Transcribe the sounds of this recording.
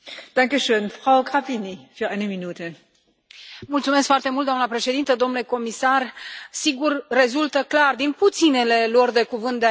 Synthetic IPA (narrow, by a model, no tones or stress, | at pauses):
d̥aŋkəʃøːnfʁ̥aʊɡʁapinifyːɐʔaɪnəminuːtʰə | mult̪sume̞s̬kfoart̪emult̪d̪oamnəpɾe̞ʃe̞d̪int̪əd̪omnule̞ko̞misarsiɡurːe̞zult̪əklard̪input̪sine̞le̞lord̪e̞kuvɨnt̪̚d̪ea